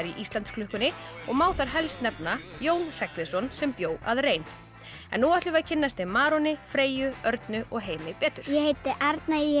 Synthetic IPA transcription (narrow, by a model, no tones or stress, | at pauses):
ɾiʔist̪lant̪skʰlʏhkʏnːɪɔɣmaːwθaɾɦɛlst̪nɛpnajoːwnr̥ɛkvɪðsɔnsɛmpjoːwa̰ðreːjn | ɛnːuaht̪lʏvaðcʰɪnːast̪ɪmaːɾɔnɪfɾeːjʏœɾt̪nʏʔɔɣɦeːjmɪpɛːt̪ʏɾ̥jɛhejt̪ɪʔɛɾt̪na